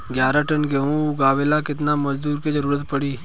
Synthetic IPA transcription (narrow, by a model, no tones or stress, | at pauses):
ɡjaːɾaʈənɡeũɡaːʋelakɪt̪namɐd͡ʒd̪uːɾked͡ʒəɾuːɾət̪pəɽiː